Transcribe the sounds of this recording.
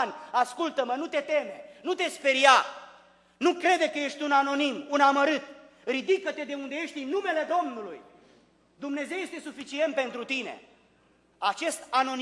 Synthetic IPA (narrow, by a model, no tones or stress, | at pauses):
nʲaskult̪əmənut̪e̞t̪e̞me̞nut̪e̞spe̞ɾja | nukɾe̞d̪ekəje̞ʃt̪ʲunano̞nimunaməɾɨt̪̚ | ɾid̪ikət̪e̞d̪e̞und̪eje̞ʃt̪inume̞le̞d̪o̞mnuluj | d̪umne̞ze̞wje̞st̪e̞sufit͡ʃie̞nt̪̚pe̞nt̪ɾut̪ine̞̰ | at͡ʃe̞st̪ano̞n